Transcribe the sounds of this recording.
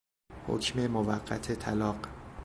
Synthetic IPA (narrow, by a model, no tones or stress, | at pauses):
ho̰cʰme̞movæɢːæ̰t̪ʰet̪ʰælɒːɢ